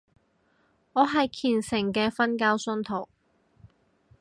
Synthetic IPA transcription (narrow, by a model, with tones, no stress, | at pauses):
ɔː˨˧ɦɐ˨jkʰiː˨˩nsɪ˨˩ŋkɛː˧fɐ˥nkaː˥wsɵ˥nt̪ʰo˨˩w